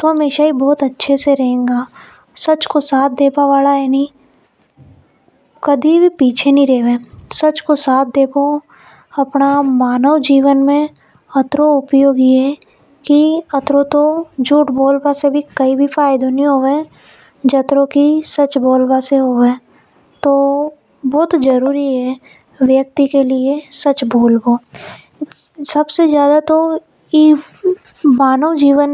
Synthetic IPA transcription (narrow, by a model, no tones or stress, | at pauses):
t̪oɦəmeːʃaɦibɔːt̪ətːʃʰeseɾɐɦẽːŋɡaː | sɐt͡ʃkosaːt̪̚ʰd̪eːpaʋaːlaɦɛni | kəd̪ʱibʱipiːt͡ʃʰenĩɾeːʋẽːsɐt͡ʃkosaːt̪̚ʰd̪eːpõ | ɐpnamaːnəwd͡ʒiːʋənmẽ | ɐt̪ɾoʊpjoːɡiɦɛ | kiət̪ɾot̪od͡ʒuːʈboːlbasebʱikəibʱifʰaːɪd̪oniɦoʋe | d͡ʒət̪ɾõkisət͡ʃboːlbaseɦoʋeː | t̪oː | bɔːt̪d͡ʒəɾuːɾiɦɛ | ʋjək̚t̪ikelɪesɐt͡ʃboːlboː | sɐbsed͡ʒjaːd̪at̪o | i | maːnəwd͡ʒiːwən